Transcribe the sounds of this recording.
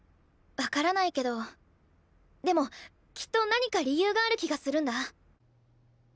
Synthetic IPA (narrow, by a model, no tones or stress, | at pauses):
βakaɾanaike̞d̪o̞ | d̪e̞mo̞ | kʲi̥t̪ːo̞naɲ̟ikaɾʲijɯ̟ːɡaːɾɯ̟kʲiɡasɨɾɯ̟̃nd̪a